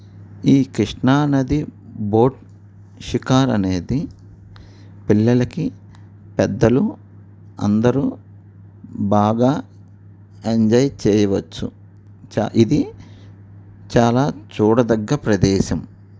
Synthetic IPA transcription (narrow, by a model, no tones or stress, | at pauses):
iːkɾiʂɳaːnɐd̪ibo̞ːʈ | ʃikaːɾɐneːd̪i | pilːɐlɐki | pɛd̪ːɐlu | ɐ̰nd̪ɐɾuː | baːɡaː | eɲd͡ʒɐjt͡ʃɛːjɐʋɐt͡ʃːṵ | t͡ʃaʔid̪i | t͡ʃaːlaːt͡ʃuːɽɐd̪ɐɡːɐpɾɐd̪ɛːʃɐm